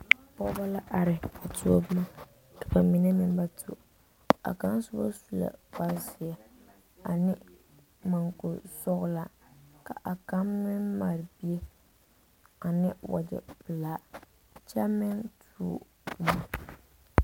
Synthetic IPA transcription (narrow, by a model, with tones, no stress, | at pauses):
pɔ˦ba˦la˦ʔa˨ɾɪ˨a˨tu˦o̰˦bma˦ | kḁ˨ba˨mi˨ne˦mɪ˦˨n˦ba˦tʰu˦˨ | a̰˨ka˦n˦sʊ˦ba̰˦su˦˨la̰˨ba˦ɾsɪ˨a˨ | a˨nɪ˦ | ma˨ŋko˨sɔ˦ɣla˨ | ka˨ʔa˨ka˦mːɪ˦mma˨ɾɪ˨bi˦e˦ | a˨nɪ˦wa̰˨d͡ʒɪ̰˨pɨ˨laː˨˦ | t͡ʃa˦mɛ˦ntʰ | ṵ˨ | pu˨ma˨